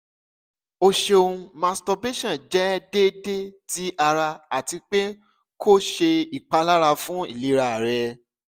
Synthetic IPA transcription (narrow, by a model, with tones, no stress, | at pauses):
o˧ʃe˧o˧ũ˧mã˧stɔ˧be˦ʃã˦˨d͡ʒɛ˦de˦de˦ti˨˦a˧ɾa˧a˨ti˧k͡pe˦ | ko˦ʃe˧i˨k͡pa˨˧la˦ɾa˧fũ˦ḭ˦˨li˨˦ɾa˦˨ɾɛ˨˧